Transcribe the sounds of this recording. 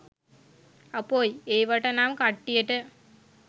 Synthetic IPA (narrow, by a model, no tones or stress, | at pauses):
ɐpojieːʋɐʈɐnaːmkaʈːijəʈə